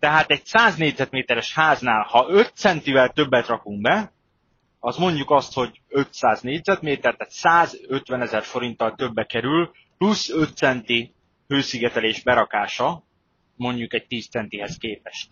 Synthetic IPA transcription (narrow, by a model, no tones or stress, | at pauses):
t̪ɛɦaːt̪ɛɟsaːzneːɟzɛt̪meːt̪ɛɾɛʃhaːznaːlhɒø̞t̪sɛnt̪ivɛlt̪ø̞bːɛt̪rɒkuŋk̚bɛ | ɒsmo̞ɲɟukɒst̪ho̞ɟ | ø̞t̪saːzneːɟzɛt̪meːt̪ɛrt̪ɛt̪saːzø̞t̪ʋɛnɛzɛrfo̞ɾint̪ɒlt̪ø̞bːɛkɛɾyl | plusːø̞t̪sɛnt̪i | høːsiɡɛt̪ɛleːʒbɛɾɒkaːʃɒ | mo̞ɲɟukɛc̚t̪iːst̪sɛnt̪iɦɛskeːpɛʃt̪̚